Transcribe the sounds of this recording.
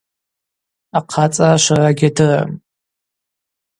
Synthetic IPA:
aqʰat͡sʼaʃʷaraɡʲadɨra̰m

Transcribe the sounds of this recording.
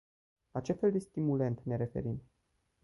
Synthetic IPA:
lat͡ʃe̞fe̞ld̪e̞st̪imule̞nt̪ne̞ɾe̞fe̞̰ɾim

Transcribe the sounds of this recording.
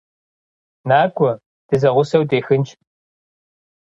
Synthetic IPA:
naːkʷʼɔ | d̥ɨzɐʁʷʊsɐwdeːxɨnt͡ʃʰʼ

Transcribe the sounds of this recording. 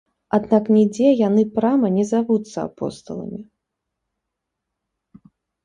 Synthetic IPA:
ad̪naknʲɛd͡zʲɛjanɨpɾamɐnʲɛzavut̪sːɐa̰pɔ̰st̪ɐ̰lˠɐ̰mʲi

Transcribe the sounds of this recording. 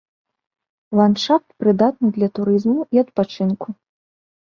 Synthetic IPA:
lˠant͡ʂat̪pɾɨd̪at̪̚nɨd̪lʲɐt̪uɾɨzmuiɐt̪̚pat͡ʂɨnku

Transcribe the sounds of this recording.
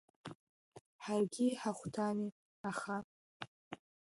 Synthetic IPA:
ħarɡʲiħaχʷtʰani | aχa

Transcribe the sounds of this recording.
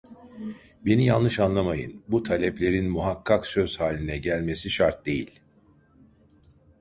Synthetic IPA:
be̞nijalˠnɯʃanlˠamajɯ̰nbut̪ʰalʲɛplʲe̞ɾinmuɦakʰːaksø̞z̥haːlʲinɛɟælʲme̞siʃaɾt̪̚d̪e̞̰jḭlʲ

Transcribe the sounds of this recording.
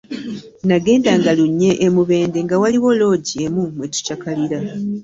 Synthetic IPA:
naɡe̞ːndaŋɡaluɲːe̞ʔːmuβe̞ːnde̞ŋɡawaliwo̞lo̞ːɟiemumwetu̥cakaliɾa

